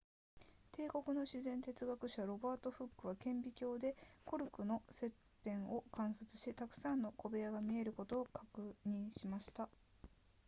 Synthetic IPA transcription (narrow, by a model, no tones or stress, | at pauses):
t̪ʰe̞ːko̞kɯ̟no̞ɕizẽ̞nt̪e̞t͡sɨɡakɯ̟ɕaɾo̞baːt̪o̞ɸɯkːɯ̟β̞akẽ̞mbʲikʲo̞ːd̪e̞ko̞ɾɯ̟kɯ̟no̞se̞pːẽ̞ɰ̃o̞kãɰ̃sat͡sɨ̥ɕit̪akɯ̟̥sãnːo̞ko̞be̞jaɡamʲie̞ɾɯ̟ko̞t̪o̞ːkakɯ̟ɲ̟ĩɰ̃ɕimaɕi̥t̪a